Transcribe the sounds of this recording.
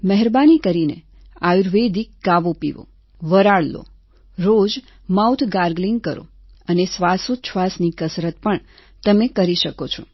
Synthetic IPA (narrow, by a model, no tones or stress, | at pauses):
məɦɛɾbanikəɾine | auɾʋed̪ikɡaʋopḭʋo̰ | ʋəɾaɽlo̰ | ɾod͡ʒ | mawt̪ʰɡaɾɡliŋɡ̚kəɾo̰ | ənesʋasut͡ʃʰʋasnikəsɾət̪̚pəɳ | t̪əmekəɾiʃəkot͡ʃʰo